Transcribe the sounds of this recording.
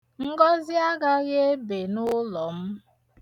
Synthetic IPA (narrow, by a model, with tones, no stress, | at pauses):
ŋ̩˦ɡɔ˦zɪ˦a˦ɡa˦ɣe˦be˨nʊ˦lɔ˨m̩˦